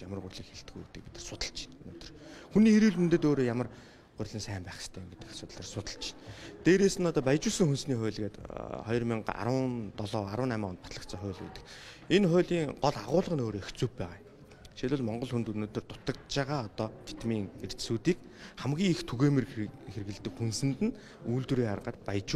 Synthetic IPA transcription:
jamərʁʊrʲɮiːkxeɮt̪ɡujut̪ɘ̆k̚pi̥t̪ɘ̥̆rsʊt̪ə̆ɮt͡ɕʰi̥nunoːt̪ɵ̥̆rxuniːeɾiɮmɵnt̪ɘ̆t̪oːɾoːjamə̆r | ɢʊrʲɮə̆nsæːmpæːχɪ̥st̪ʰæːmɡet̪ɘ̆ksʊt̪ə̆ɮăːrsʊt̪ə̆ɮt͡ɕʰɪ̥nt̪eːɾeːsɘ̆nɔt̪ɔːpæjt͡ɕuːsə̆ŋxunsniːχʊ̟ːɮɣeːt̪χɔjɞ̆rmiɴa̰ɾənt̪ɔɮɔːaɾwə̆næmaːɔnt̪pat̪ɮə̆k̪t͡sɔχʊːɮɡḛt̪ɘ̥̆k | enχʊːɮiːŋɢɔɮaʁʊːɮə̆ʁə̆noːɾoext͡suːppæːʁaː | ʃeɮʊ̆ɮmɔɴɢɞ̆ɮxunt̪unoːt̪ɵ̆rt̪ʊ̥t̪ə̆kt̪t͡ɕaʁaːɔt̪ɔːt̪ʰe̥t̪miːŋer̥t͡ɕsuːt̪iːkχamɡʲiːŋixt̪ʰuɣeːmerxer̆ɣɘ̆ɮt̪ɘ̆kxunsɘ̆nt̪ɘ̆n | uːɮt̪uɾiːaɾqəːt̪̚pajt͡ɕu

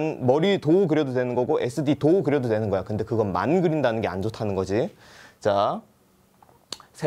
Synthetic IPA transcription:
nmʌɾitokɯɾjʌdodwe̞nɯnɡʌɡoʔe̞s͈ʰɯditokɯɾjʌdodwe̞nɯnɡʌjakɯnde̞kɯɡʌnma̰nɡɯɾindanɯnɡe̞a̰nd͡ʑotʰanɯnɡʌd͡ʑi | t͡ɕa | sʰe

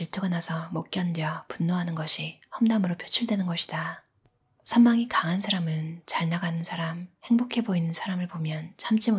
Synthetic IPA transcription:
iɭtʰɯɡanasʰʌmʌk͈jʌndjʌpunːoɦanɯnɡʌɕʰihʌmdamɯɾopʰjot͡ɕʰuɭdwenɯnɡʌɕʰi̥d̥a | sʰʌmːaŋikaŋɦansʰaɾamɯnt͡ɕaɭnaɡanɯnsʰaɾamhe̞ŋbokʰe̞boinɯnsʰaɾamɯɭpomjʌnt͡ɕʰamt͡ɕ͈imo

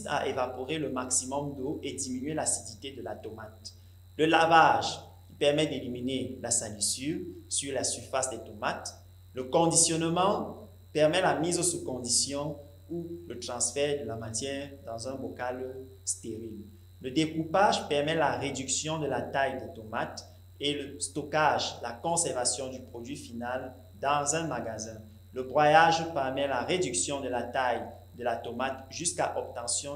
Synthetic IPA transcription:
t̪a̰ʔevapoʁeləmaksimɔmd̪oʔed̪iminɥelasid̪it̪ed̪əlat̪ɔmat̪ | ləlavaʒ | kʲi̥pɛʁmɛd̪eliminelasalysyʁsyʁlasyʁfasd̪et̪ɔmat̪ | ləkɔ̃d̪isjɔnmɑ̃ | pɛʁmɛlamizosukɔ̃d̪isjɔ̃ | ulət̪χɑ̃sfɛʁd̪əlamat̪jɛʁd̪ɑ̃zɛ̃bokal | st̪eʁil | ləd̪ekupaʒpɛʁmɛlaʁed̪yksjɔ̃d̪əlat̪ajd̪et̪ɔmat̪ | eləst̪ɔkaʒlakɔ̃sɛʁvasjɔ̃d̪ypχod̪ɥifinal | d̪ɑ̃zɛ̃maɡazɛ̃ | ləbʁwajaʒpɛʁmɛlaʁed̪yksjɔ̃d̪əlat̪aj | d̪əlat̪ɔmat̪ʒyskaʔɔp̚t̪ɑ̃sjɔ̃

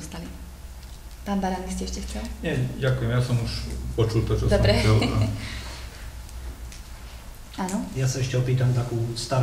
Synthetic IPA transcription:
ɔst̪ali | paːnbaɾanis̬cɛɛʃcɛxt͡sɛlɲɛɟakujɛmjasɔmuʃpɔt͡ʃult̪ɔt͡ʃɔd̪ɔbɾɛɛla̰ | anɔjasaɛʃcɛɔpiːt̪amt̪akuːst̪aɾ

